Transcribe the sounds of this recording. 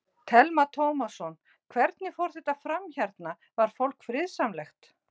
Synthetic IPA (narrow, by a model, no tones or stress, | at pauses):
t̪ʰɛlmat̪ʰowmasɔn | kʰvɛɾt̪nɪfowɾ̥θɛht̪afɾamçaɾt̪na | vaɾ̥fowl̥kfɾɪðsamlɛxt̪